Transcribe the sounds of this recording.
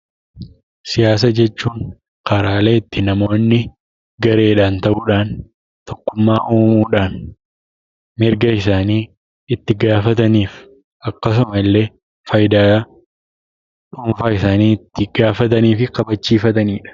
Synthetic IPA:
sɪjaːs̬ɐd͡ʒɛt͡ʃːuːŋ | kɐɾaːle̞ːɪt̪ːɪnɐmo̞ːnːɪ | ɡɐɾe̞ːᶑaːnt̪ɐʔuːᶑaːn | t̪ɔkːʊmːaːʔoːmuːᶑaːn | mɪɾɡɐɪsaːniː | ɪt̪ːɪɡaːfɐt̪ɐniːf | ʔɐkːɐs̬ʊmɐɪlːe̞ː | fɐjd̪aː | ᶑuːɱfaːɪsaːniːɪt̪ːɪɡ̥aːfɐt̪̬ɐniːfɪkɐbɐt͡ʃːiːfɐt̪ɐniːᶑɐ̥

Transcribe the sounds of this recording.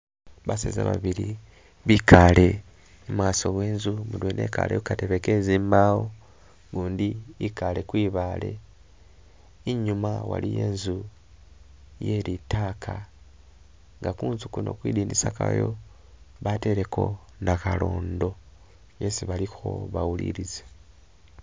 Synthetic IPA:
βasḛza̰βa̰βiɾi | βikʰale̞ | mwaːso̞βwe̞ːnzumudwenʔe̞̰ːka̰lejokateβeke̞zimawo | ɡuːndiikale̞kwiːβaːle̞̰ | iɲumawa̰lije̞̰ːnzu | je̞ɾitaːkʰa | ŋɡakuːnzukuno̞̰ːkwiːdiːndisaka̰jo̞ | βate̞ɾe̞ko̞ | nakalo̞ːndo̞ | jesiβalixo̞̰βawulḭɾize̥

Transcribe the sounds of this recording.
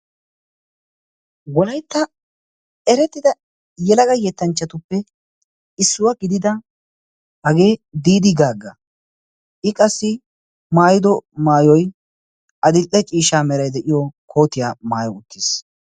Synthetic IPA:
wɔlɐjt̪ːɐ | ɛɾɛt̪ːɪd̪ɐ | jɛlɐɡɐjɛt̪ːɐnt͡ʃːɐt̪ʊpːɛ | ɪsːʊwɐɡɪd̪ɪd̪ɐ | hɐɡe̞ːd̪iːd̪ɪɡaːɡːɐ | ʔɪkʼɐsːɪ | maːjɪd̪ɔmaːjɔj | ʔɐd̪ɪʔːɛt͡ʃʼiːʃaːmɛɾɐjd̪ɛʔɪjɔkʰo̞ːt̪ɪjaːmaːjɔʊt̪ʰːɪs

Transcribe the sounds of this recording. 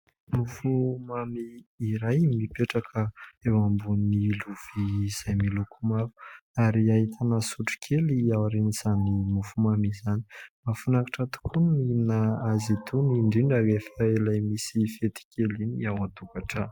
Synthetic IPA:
mufumamiːɾajmipeʈ͡ʂakʰəewambunniluv̥iz̥ajmilukʰumavu̥aɾiait̪ʰanəsuʈ͡ʂi̥kʲʰeliawaɾeniz̥animufumamizani̥mafunakḁʈ͡ʂat̪u̥kʰuninaazit̪ʰuniɳɖ͡ʐiɳɖ͡ʐalefaelajmisifet̪i̥kʲʰeliniawat̪ukaʈ͡ʂə

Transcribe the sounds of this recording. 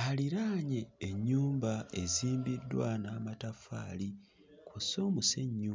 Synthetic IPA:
haliɾaːɲeːɲːuːmbaeziːmbidːwanaːmatafa̰ːli | kʰoso̞ːmuseɲːuː

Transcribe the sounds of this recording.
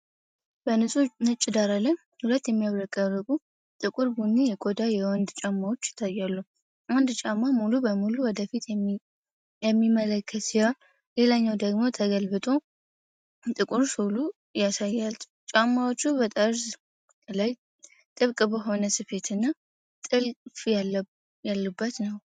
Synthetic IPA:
b̥ənɨsʼunɨt͡ʃʼːɪd̪aɾalːəɲ | hulət̪ːjɛmːijaβɾəkʼaɾɨkʼu | t̪ʼɨkʼuɾbunːijɛkʼod̪ajɛwɔnd̪t͡ʃʼamːawot͡ʃːjɪ̥t̪ʰːajːalːu | ʔand̪t͡ʃʼamːamulubəmuluwɔd̪əfit̪ | jɛmːimːələkʰːət̪sija | le̞laɲːawd̪əɡmo̞t̪ʰəɡəlbɨt̪ʼo̞ | t̪ʼɨkʼuɾsulu | jasajːal | t͡ʃʼamːawot͡ʃːubət̪ʼəɾs | laj | t̪ʼɨβkʼbəɦo̞nəsɨfe̞t̪ʰɨnːa | t̪ʼɨlfja | jalːubːət̪nəw

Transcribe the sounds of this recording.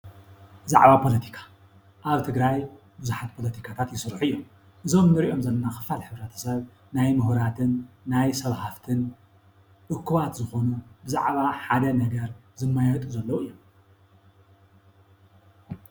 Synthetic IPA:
za̰ʕβapʰo̞lɐt̪ʰi̥kʰḁ | ʔaβt̪ʰɨɡɾaj | buzuħat̪̚pʰo̞lɐt̪ʰi̥kʰat̪ʰat̪jɪsɾħuɨjːom | ʔɨzo̞mnɨɾiʔo̞mzɐlːɐnaxɨ̥falħɨβɾɐt̪ʰɐ̥sɐβ | najmɨhɾat̪ʰɨnːajsɐβhaft̪ʰɨn | ʔɨkːɨβat̪zɨxo̞nubɨza̰ʕβaħad̪ɐnɐɡɐɾ | zɨmːajat̪ʼuzɐlːowuɨjːom

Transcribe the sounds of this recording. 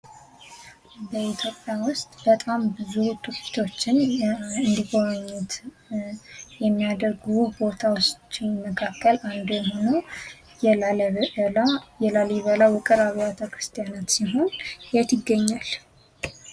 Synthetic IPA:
bəit̪ʰjo̞pʼjawʊst̪ʼbət̪ʼambɨzuht̪ʰʼuki̥t̪ʰo̞t͡ʃːɪnɨnd̪iɡoɾaɲːɛt̪ | jɛmːijad̪əɾɡubo̞t̪ʰawot͡ʃːɪnməkʰakʰːəland̪jɛho̞no | j | jɛlaliβəlawʊkʼɨɾaβjat̪ʰəkɾɨst̪ʰijanat̪siɦo̞njɛt̪ɪɡːəɲːal

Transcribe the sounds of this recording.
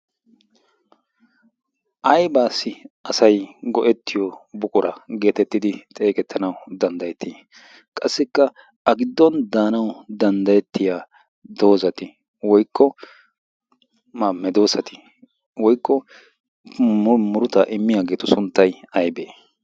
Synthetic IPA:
ʔɐjbaːsːɪɐsɐjɡɔʔɛt̪ːɪjɔbʊkʼʊɾɐɡe̞ːt̪ɛt̪ːɪd̪ɪt̪ʼe̞ːkʼɛt̪ʰːɐnɐwd̪ɐnd̪ɐjɛt̪ːɪ | kʼɐsːɪkːɐ | ɐɡɪd̪ːɔnd̪aːnɐwd̪ɐnd̪ɐjɛt̪ːɪjaː | d̪o̞ːzɐt̪ɪ | wɔjkʰːɔ | maːmːɛd̪o̞ːsɐt̪ɪ̥ | wɔjkːɔ | mʊɾʊt̪ɐʔɪmːɪjaːɡe̞ːt̪ʊsʊnt̪ːɐjɐjbeː

